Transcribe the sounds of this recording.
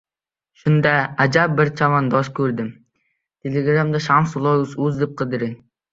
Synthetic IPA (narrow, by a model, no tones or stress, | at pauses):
ʃʊnd̪aad͡ʒab̚bɪɾt͡ʃʰavɑnd̪ɒskʲʰɵɾd̪ɪm | t̪ʰelʲeɡɾamd̪aʃamsulˠoʊzɵzd̪ɪp̚qʰɨd̪ɪɾɪŋ